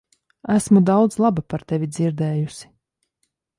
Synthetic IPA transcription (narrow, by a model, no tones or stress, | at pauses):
æsmud̪awd̪zlˠabapaɾt̪ɛvʲid̪ziɾd̪ɛːjusʲi̥